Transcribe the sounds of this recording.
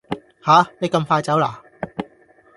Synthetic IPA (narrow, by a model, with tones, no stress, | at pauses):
haː˨˥ne˨˧jkɐ˧mfaː˧jt͡sɐ˨˥wla̰ː˨˩